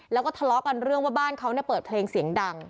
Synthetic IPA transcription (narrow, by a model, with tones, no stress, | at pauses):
lɛː˦˥wkɔː˥˩t̪ʰlɔ˦˥ka˧nɾɯ˥˩əŋwa˥˩baː˥˩nkʰa˦˥wni˥˩pɤː˨˩t̪̚pʰleː˧ŋsi˩˦əŋda˧ŋ